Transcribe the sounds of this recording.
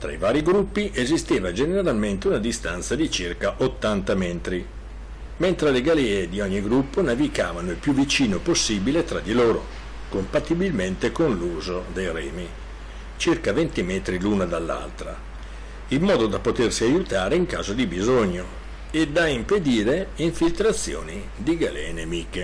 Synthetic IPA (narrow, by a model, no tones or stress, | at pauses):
t̪ɾa̰ivaːɾiɡɾupːiʔezist̪eːvad͡ʒeneeɾalment̪eunad̪ist̪ant̪sad̪it͡ʃirkaʔot̪ːant̪amɛnt̪ɾi | ment̪ɾeleɡalɛːed̪iɔɲːiɡɾupːonavika̰ːvanoilpjuvːit͡ʃiːnoposːiːbilet̪ɾad̪ːiloːɾo̰ | kompat̪ːibilment̪ekonluːzod̪ejɾɛːmi | t͡ʃirkavent̪imɛːt̪ɾiluːnad̪alːa̰lt̪ɾa̰ | ilmɔːd̪od̪apot̪ersiajut̪aːɾeiŋka̰ːzod̪ibizoɲːo | ed̪aimped̪iːɾeiɱfilt̪ɾat̪sːjo̰ːni | d̪iɡalɛ̰nemiːke